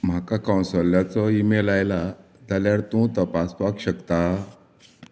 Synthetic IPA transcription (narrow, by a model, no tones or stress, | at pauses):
m̤akakaw̃nsɔljat͡sɔimelajla | d͡zaljaɽt̪ũt̪əpaspakɕəkt̪a